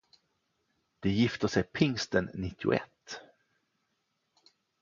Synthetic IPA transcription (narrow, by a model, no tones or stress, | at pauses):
d̪̥ɛjɪft̪əʂɛjpʰɪŋst̪ənːɪt̪ʰːɪʊ̰ɛ̰t̪ː